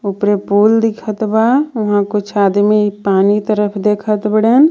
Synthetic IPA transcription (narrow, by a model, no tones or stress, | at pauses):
ʊpɾepuːld̪ɪkʰət̪baʋɐɦãkot͡ʃʰaːd̪mipaːnit̪əɾəpʰd̪eːkʰət̪bəɽeːn